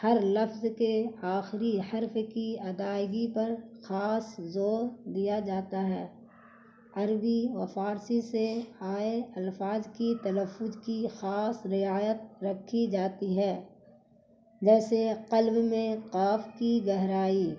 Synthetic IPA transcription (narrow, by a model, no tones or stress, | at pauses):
hɐɾlɐfzkeaːxɾihɐɾfkiɐd̪aːɪɡipɐɾxaːszoːɾd̪ijad͡ʒaːt̪aɦɛː | ɐɾbiʋɐfaːɾsiseaːeɐlfaːzkit̪ɐləfːʊzkixaːsɾɪaːjət̪̚ɾɐkʰːid͡ʒaːt̪iɦɛː | d͡ʒɛːseqɐlbmẽqaːfkiɡɛɦɾaːiː